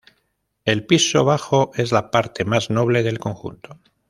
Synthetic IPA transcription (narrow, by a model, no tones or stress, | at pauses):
e̞lpiso̞β̞axo̞ʔe̞zlapaɾt̪e̞mazno̞β̞le̞ð̞e̞lko̞ŋxṵnt̪o̞